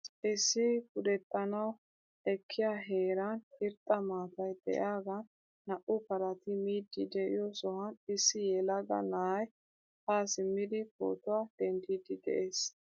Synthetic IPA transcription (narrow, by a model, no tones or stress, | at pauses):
ʔɪsːɪkʊd̪ɛt̪ːɐnɐw | ɛkʰːɪjaɦeːɾɐnɪɾt̪ʼːɐmaːt̪ɐjd̪̥ɛ̰ʔaːɡɐː | ɐʔʊpɐɾɐt̪ɪmiːd̪ːɪd̪ɛʔɪ̰jɔsɔhɐnɪsːɪjɛlɐɡɐ̰naːj | haːsɪmːɪd̪ɪko̰ːt̪ʊwad̪̥ɛnd̪ɪd̪ɪd̪ɛ̰ʔeːs